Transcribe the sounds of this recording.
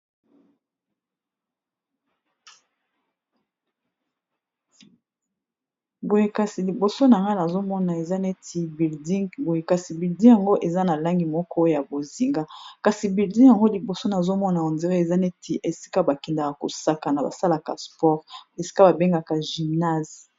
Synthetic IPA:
bo˨je˨ka˨si˨li˨bo˨so˦na˨ŋɡa˦na˨zo˦mɔ˦na˨e˨za˦ne˦ti˨bi˨ldi˦bo˨je˨ka˨si˨bi˨ldi˦ja˨ŋɡo˦ʔe˨za˦na˨la˦ŋɡi˨mɔ˦kʰɔ˦ja˨bo˨zi˨ŋɡa˦ka˨si˨bi˨ldi˦ja˨ŋɡo˦li˨bo˨so˦na˨zo˦mɔ˦na˨o˨nze˨ʁe˦e˨za˦ne˦tʰe˨ʔe˨si̥˦ka˦ba˨kɛ˨nda˨ka˨ko̰˨sa˦ka˨na˨ba̰˨sa˦la˨ka̰˨spɔ˦ʁe˨si̥˦ka˦ba˨be˦ŋɡa˨ka˨ʒi˨mna˦˨z

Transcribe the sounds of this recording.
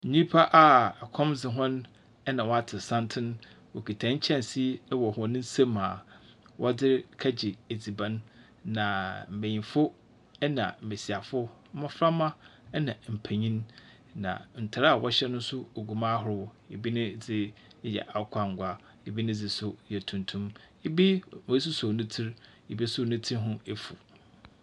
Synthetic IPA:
n̩˨ɲĩ˦pʰa˦ʔa˨a˨kʰɔ̃˦md͡zɪ˨ɦɔ̃˦n | ɛ˦nã˨wɔ˦a˦tʰɪ˨sã˦ntʰɪ̃˦n | wɔ˨kʰi˨tʰã˨˦ɲ̩˦t͡ɕʰɛ̃˦n˨si˦wɔ˨hɔ˨˦nɪ̃˦n̩˦sẽ˦mːãː˨wʔɔ˦dɪ˦ɾkʰa˦d͡ʑɪ˨e˨d͡zi˨bã˦nː | ã˨m̩˨mẽ˨ɲĩ˨fʊ˦ | ɛ˦nã̰˨m̩˨me˨si˨a˨fʊ˦mã˦fɾa˦mã˦nã˨m̩˨pʰæ˨ɲĩ˦n | nã̰˨n̩˨tʰa˨ɾa˦a˨wʔɔ˦ɕɛ˦nʊ̃˦n˦sʊ˦o˨ɡu˨mã˦ɦʊ˨ɾʊ˦w | ḛ˨bi˦nɪ̃˦d͡zɪ˦ | jɛ̰˨ʔa˨˦kʷʰa˦˨ŋ̩˨ɡʷa˦ | e˨bi˦nɪ̃˦d͡zɪ˨sʊ˦jɛ˨tʰũ˨ntʰũ˦m | ɪ˨bi˦mɔ˨i˦s̬ʊ˦sʊ˨nʊ̃˦tʰi˦ɾ | ɪ˨bi˦sʊ˦˨nʊ̃˦tʰi˦ɦʊ̃˦e˦fṵ˨

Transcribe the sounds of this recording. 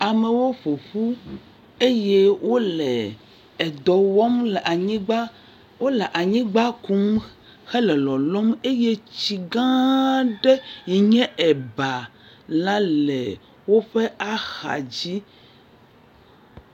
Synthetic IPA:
a˨me˨wo˦ɸo˨ɸu˦ | e˦je˦wʔo˦lɛ˨ | ɛ˨d̪ɔ˨wɔ˦mlɛ˨ʔa˨ɲĩ˦ɡ͡ba˦ | wo˦lɛ˨ʔa˨ɲĩ˦ɡ͡ba˦ku˦m | xe˦lɛ˨lɔ˨lɔ˦me˦je˦t͡ɕi˨ɡã˦ɖɛ˦jɛ˨ɲɛ̃˦ʔɛ˨ba˨ | lã˦lɛ˨ | wo˦ɸe˦a˦xa̰˨d͡ʑi˦

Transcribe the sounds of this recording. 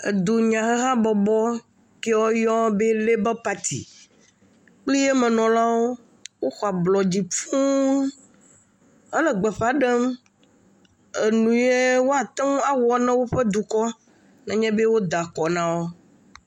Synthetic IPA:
ḛ˨d̪o˨ɲã˨xe˦ɦã˦bɔ˨bɔ˦ | ke˦wɔ˦jɔ˦be˦le˦bɛ˦pa˨t̪ʰḭ˨ | k͡pli˦je˦mɛ̃˨nɔ̃˨la˦wo˦ | wo˦xɔ˨a˨blɔ˨d͡ʑi˨fu˦n | e˦le˨ɡ͡bɛ˨ɸa˨ɖe˦m | e˨nũ˨je˦wo˦a˨t̪ɛ˦ŋ˦a˨wɔ˨nɛ̃˦wo˦ɸe˦d̪u˨kɔ˦ | nɛ̃˨ɲɛ̃˦be˦wo˦d̪a˨kɔ˨nã˦wo˦

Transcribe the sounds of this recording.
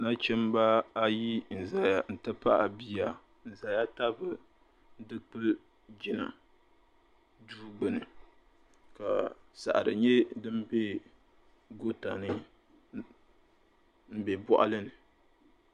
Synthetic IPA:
na˦t͡ʃɛ˦mba˦a˦ji˦n̩˨za˨ja˨n̩˨tɨ˦pa˦ʔa˨bi˦ja˨ | n̩˨za˨ja˦ta˦bɨ˨˦ | dɨ˦k͡pɨ˦l | d͡ʒɪ˨na̰˨ | duː˦ɡ͡bɨ˨nɨ˨ | ka̰˨sa̰˨ʔa̰˨ɾɨ̰˨ɲɛ˦dɨ˦mbe˦ | ɡo˦ta˨nɨ˦ | m̩˦bɛ˨bɔ˦ʔa̰˦lɨ˦nɨ˨

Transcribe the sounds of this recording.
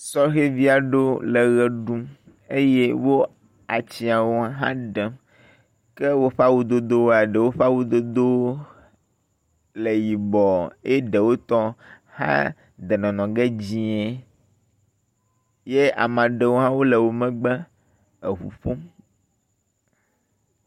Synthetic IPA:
sɔ˦ɦe˦vi˦a˨ɖo˦le˨ɣɛ˨ɖu˦ | e˦je˦wo˦ | a˨t͡ɕi˦˨a˨wo˦a˦ɦã̰˦ɖɛ˨ | kɛ˦wo˦ɸa˦wo˦d̪o˦d̪o˦wo˦a˨ɖe˨wo˦ɸa˦wo˦d̪o˦d̪o˦ | le˨ji˨bɔ˨e˦ɖe˨wo˦t̪ɔ˦ | hã̰˦ | d̪e˨nɔ̃˨nɔ̃˨ɡe˦d͡ʑĩ˦ɛ˦ | je˦a̰˨mã˨ɖe˨wo˦ɦã˦wo˦le˨wo˨mɛ̃˦ɡ͡bɛ˦ | e˨ɸṵ˨ɸo˦m

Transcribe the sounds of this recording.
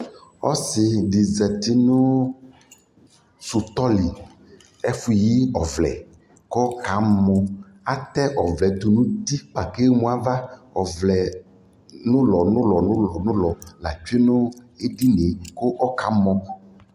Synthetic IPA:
ɔ̰˦sɪ˨ɖi˨zɛ˨t̪i˦nʊ̃˦ | su˨t̪ɔ˦li˨ | e˦fu˨ji˦ɔ˨vlɛ̰˨ | ko˦ka˨˦mɔ̃˨ | a˦t̪ɛ˦ʔɔ˨vlɛ˨t̪u˨nũ˦t̪i˦k͡pa˨ke˦mũ˦a˨va˦ | ɔ˨vlɛ˨ | nʊ̃˦lɔ˨nʊ̃˦lɔ˨nʊ̃˦lɔ˨nʊ̃˦lɔ˨la̰˨t͡ʃu˦e˦nʊ̃˦e˦ɖi˦ne˨ko˦ʔɔ˦ka˨˦mɔ̃˦

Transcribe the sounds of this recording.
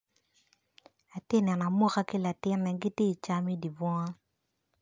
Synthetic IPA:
a˨te˦˨nɛ˨na˨mo˦ka˦kɪ˦la˨tɪ˦nɛ˨ɡɪ˦te˦˨t͡ʃa˦mi˦di˨bɔ˦ŋa˦

